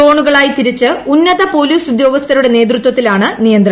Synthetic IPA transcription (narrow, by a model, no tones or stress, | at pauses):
o̞ːɳuɣɐɭaːjit̪iɾit͡ɕːɨunːɐðɐpo̞ːliːsud̪jo̞ːɡɐst̪ɐɾuɽe̞ne̞ːd̪rɨt̪wɐt̪ːilaːɳɨnijɐnd̪rɐ